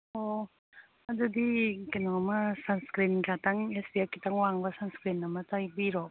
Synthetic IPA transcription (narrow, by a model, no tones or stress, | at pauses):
o | adud̪ikanɔŋmasanskɾinɡat̪aŋesbiakit̪aŋwaŋbasanskɾinamat̪ajbiɾɔ